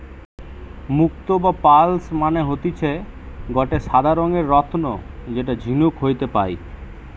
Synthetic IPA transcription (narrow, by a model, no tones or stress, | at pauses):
muk̚t̪obapalsmaneɦot̪it͡ɕʰeɡɔʈeʃad̪ʱaɾoŋeɾːɔt̪ʰnod͡ʑeʈ̬ad͡ʑʱinukɦojt̪epa̰j